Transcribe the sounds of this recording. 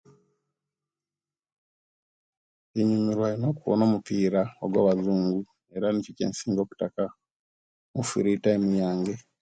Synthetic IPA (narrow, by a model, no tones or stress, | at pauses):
eɲumiɾwainoːkuwo̰no̞ːmupiːɾao̰ɡwa̰ːβazuːŋɡu | e̞ɾanicicḛːnsiːŋɡo̞ːku̥taka | mufiɾitaemijaːŋɡe